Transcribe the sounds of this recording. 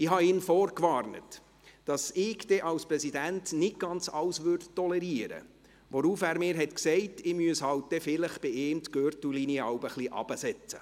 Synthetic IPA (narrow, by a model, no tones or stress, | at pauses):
ɪɦɑɪːnfɔːɾkʋɑːrnə̰t | d̥ɑsɪɡd̥ɛʔɑwsprɛsidæntnɪt̚ɡ̥ɑnt͡sɑwsʋʏːɾdtɔlɛɾiəɾə̰ | ʋɔɾuːfæːɾmɪːɾɦɛtksɛɪtɪmyəshɑwt̚d̥̪ɛfɪləχb̥ɪeːmt̪ɡøɾtulinjəɑwbəχliʔɑ̰b̥əsɛt͡sə̰